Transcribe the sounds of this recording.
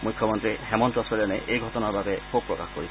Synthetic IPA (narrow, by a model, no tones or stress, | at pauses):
mujkʰːjɔmɔntɹihɛmɔntɔsɔɹɛneʔejɡʱɔtɔnaɹbʱabɛkʰob̚pːɹɔka̰xkoɹi